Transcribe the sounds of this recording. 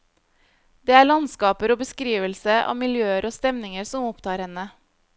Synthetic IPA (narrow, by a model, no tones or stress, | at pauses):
d̪̥eːæːɭɑnskɑːpəɾoːbəskɾiːʋəlsəʔɑ̰ːmɪljøːəɾʔoːst̪ɛmnɪŋəɾsɔmɔpt̪ʰɑːɾhɛnə